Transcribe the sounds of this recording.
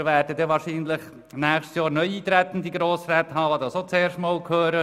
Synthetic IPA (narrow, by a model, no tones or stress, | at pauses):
ʋæːɾdədɛʋɑːɾʃiːnləχ | næːχʃtsjɑːɾnœʏiːt̪ɾɛt̪ən̩d̪iɡɾoːsɾɛt̪hɑːʋɑd̪ɑsot͡seːɾʃtmɑːlkʰhøːɾə